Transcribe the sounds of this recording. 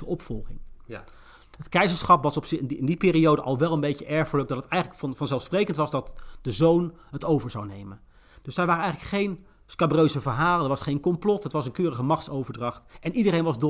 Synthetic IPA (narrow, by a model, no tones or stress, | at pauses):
əʔɔpfɔlˠχɪ̰ŋ | ɦətkɛjzəɹsχɑpʋɑsɔpsɪɪndipɪːriowdəʔɑlˠʋɛlˠənbejcəʔɛɹχələɡ̚dɑtətɛjχələkfɑnfɑnzɛlˠsprejkəntʋɑzdɑtd̥əzownɦətowvəɹzawnejmən | d̥ɵsdɛɹʋaːɾəɛjələkχejn | skabrøɥzəvəɹɦaːlədəɹʋɑsχejnkɔmplɔtɦətʋɑsənkøːrəχəmɑχtsowvəɹdrɑχtɛnʔidərejnʋɑzd